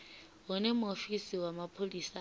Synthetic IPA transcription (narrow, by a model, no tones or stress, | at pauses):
ɦʊnɛmʊofisiwamapʰoliːsa